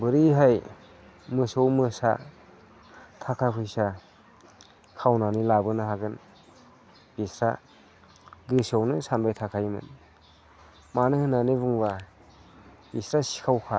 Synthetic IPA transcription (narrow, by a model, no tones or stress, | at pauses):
bɯɾiɦaj | mɯsɔwmɯsa̰ | tʰakʰapʰɯjsa | kʰawnanilabɯnɯɦaɡɯn | b̥isɾa | ɡɯsawnɯsanbajtʰakʰajmɯ̰n | manɯhɯnanebuŋba | bisɾasi̥kʰawkʰa